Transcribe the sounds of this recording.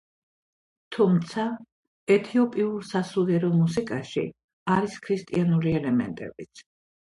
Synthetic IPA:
t̪ʰumt̪sʰa | ɛt̪ʰiɔpʼiuɾsasulɛɾɔmusikʼaʃḭ | aɾiskʰɾist̪ʼḭanuliɛlɛmɛ̰nt̪ʼɛ̰bit̪sʰ

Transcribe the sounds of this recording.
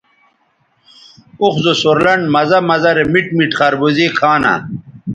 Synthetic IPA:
uxzosoɾlɐɳmɐzɐmɐzɐɾemiʈmiʈχɐɾbuzekʰaːnɐ̰

